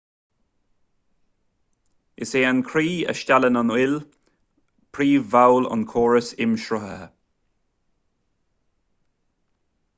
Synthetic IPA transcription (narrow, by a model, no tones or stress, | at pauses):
ɪseːankʰɾiːə̰ʃtʲalənɔnɪl | pʰɾiːvawlɔ̰nkʰɔːɹəsɪmʃɾɔɦə̰